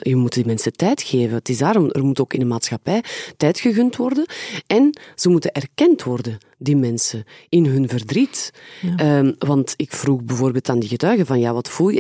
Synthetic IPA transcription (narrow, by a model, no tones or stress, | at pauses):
jəmutdimɛnsətɛjtxeːvənətɪzdaːɾɔmə̰rmutoːkɪnənmaːtsxɑpɛjtɛjtxəɣɵntʋɔrdəɛnz̥əmutənʔɛrkɛntʋɔrdə | dimɛnsəɪnɦɵnvərdrit | əʋɑntɪkfruɣbəvoːrbeːlˠtaːndiɣətœɥɣəvɑnjaːʋɑtfulˠjə